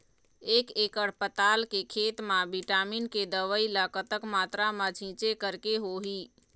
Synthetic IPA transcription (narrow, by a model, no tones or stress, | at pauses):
eːkekəɽpət̪alkekʰet̪mãbiʈaːminked̪əʋəilakət̪əkmaːt̪ɾamãt͡ʃʰĩt͡ʃekəɾkeɦoɦi